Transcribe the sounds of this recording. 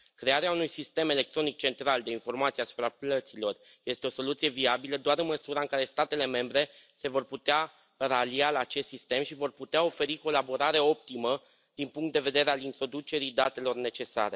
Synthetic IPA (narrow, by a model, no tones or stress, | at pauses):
kɾe̞aɾeaunujsist̪e̞me̞le̞k̚t̪ɾo̞nik̚t͡ʃe̞nt̪ɾald̪e̞info̞rmat̪sijeasu̥pɾaplət̪silo̞r | je̞st̪e̞o̞so̞lut̪sije̞viabiləd̪oaɾɨnməsuɾaɨŋkaɾe̞st̪at̪e̞le̞me̞mbɾe̞se̞vo̞rput̪ea | ralialaːt͡ʃest̪sist̪e̞mʃivo̞rput̪eao̞fe̞ɾiko̞labo̞ɾaɾeo̞p̚t̪imə | d̪̥inpuŋkt̪d̪e̞ve̞d̪e̞ɾealint̪ɾo̞d̪ut͡ʃe̞ɾid̪at̪e̞lo̞rne̞t͡ʃe̞sa̰ɾe̞